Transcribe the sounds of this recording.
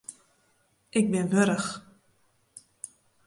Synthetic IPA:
ʔɪk̚bɪnʋøɾəx

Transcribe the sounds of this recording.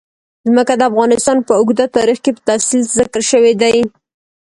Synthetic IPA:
zməkad̪əafɣɑnɪst̪ɑnpəʊɡd̪at̪ɑɾixkepə̥t̪asilzɪkəɾʃəwed̪aj

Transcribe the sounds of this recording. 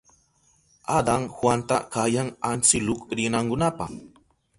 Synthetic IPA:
ad̪aŋhwant̪a̰kajaŋant͡sɪlʊkɾɪnaŋkʊnapaχ

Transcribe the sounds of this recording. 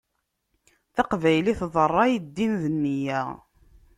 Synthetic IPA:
θɑqvæjliθðˤərˤːɑjid̪ːinðənːijæ

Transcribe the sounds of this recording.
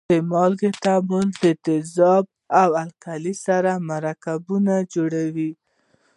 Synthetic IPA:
əmɑlɡet̪abuld̪ət̪ɪzɑb̚ | awalkalisaɾamaɾakabunad͡ʒoɽawi

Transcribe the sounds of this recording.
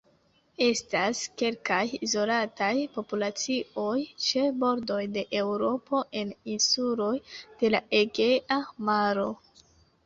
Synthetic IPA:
e̞staske̞lkajizo̞latajpo̞pulat͡siʔo̞jt͡ʃe̞bo̞ɾdo̞jde̞ʔe̞wɾo̞po̞ʔe̞ninsulo̞jd̥e̞laʔeɡeʔamaɾo̞

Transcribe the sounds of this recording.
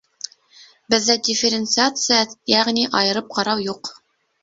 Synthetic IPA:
bɘ̆ðːædʲɪfʲɪɾʲɪnt̪sɨat̪sɨjajæʁniʔɑjɤ̆ɾɤp̚qɑɾɑwjuq

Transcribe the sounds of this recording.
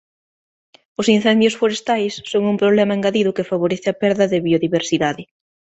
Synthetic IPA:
ʊsin̟θɛnd̪jʊsfoɾest̪ajsːoŋumpɾoβlɛmɐeŋɡaðiðʊkɪfaβoɾeθɪapɛɾðɐðɪβioðiβeɾsiðaðɪ

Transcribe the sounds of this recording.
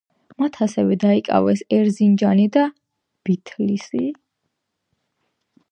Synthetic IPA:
mat̪ʰasɛvɛd̪aikʼa̰vɛsɛɾzind͡ʒanid̪a | b̥it̪ʰlisi

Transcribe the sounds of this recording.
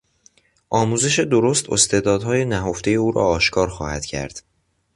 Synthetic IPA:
ʔɒːmuːze̞ʃed̪oɾost̪ʰo̰st̪eːd̪ɒːd̪ɦɒːje̞næɦoft̪e̞je̞uːɾɒ̰ːɒːʃkʰɒːɾxɒːhæd̪̥cʰæ̰ɾd̪̥

